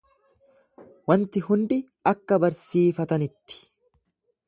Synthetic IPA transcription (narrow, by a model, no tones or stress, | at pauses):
wɐnt̪ɪɦʊnd̪ɪ | ɐkːɐbɐɾsiːfɐt̪ɐnɪt̪ːɪ̥